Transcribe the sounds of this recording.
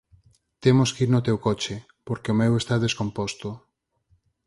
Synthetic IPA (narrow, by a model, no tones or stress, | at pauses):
t̪emoskiɾnot̪ewkot͡ʃe | poɾkeomewest̪aðeskompost̪o